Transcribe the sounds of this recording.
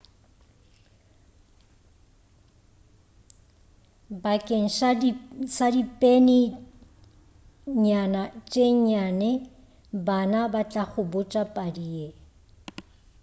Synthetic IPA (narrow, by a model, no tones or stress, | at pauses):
bakʼeŋ̩ʃ | sadipʼenɪ | ɲanat͡ʃʼeɲanɛ | banabat͡ɬʼaχʊbʊt͡ʃʼapʼadie